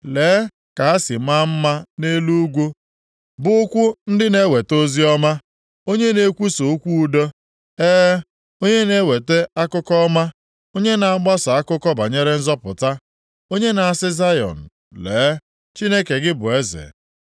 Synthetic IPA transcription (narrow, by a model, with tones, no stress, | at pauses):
leː˨˦ | ka˨ɦa˦sɪ˨˦ma˦m̩˦ma˦ne˦lu˦ɡʷu˦ | bʊ˦kʷʊ˦n̩˦dɪ˦ne˦we˨to˦zi˦ɔ˦ma˦ | o˦ɲe˦ne˨kʷu˦so˨˦kʷu˦u˦do˦ | eː˦ | o˦ɲe˦ne˦we˨te˦a˦kʊ˦kɔ˦ma˦ | o˦ɲe˦na˨a˦ɡ͡ba˦sa˨a˦kʊ˦kɔ˦ba˨ɲe˦ɾe˦n̩˦zɔ˦pʊ̰˨ta˦ | o˦ɲe˦na˨a˨sɪ˦za˦jɔ̰˨n̩˨ | leː˨˦ | t͡ʃi˦ne˦ke˨ɡɪ˦bʊ˨e˦zḛ˨